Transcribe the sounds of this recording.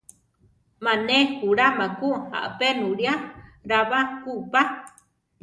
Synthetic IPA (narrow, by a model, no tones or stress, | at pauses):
manekuɾamakuha̰ʔpenuɺjaɾaβakupa